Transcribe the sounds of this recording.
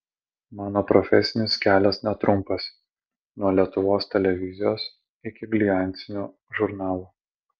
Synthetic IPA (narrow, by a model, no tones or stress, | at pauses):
mɑːnoːpɾɔfʲɛsʲɪnʲɪskʲæːlʲɛsnʲɛt̪ɾʔʊmpɐsʲ | nuɔɐlʲiɛt̪ʊʋoːst̪ʲɛlʲɛʋʲɪzʲɪjoːs | ɪkʲɪɡlʲɪjɑˑnʲt̪sʲɪnʲuː | ʒʊɾnɑːlˠuː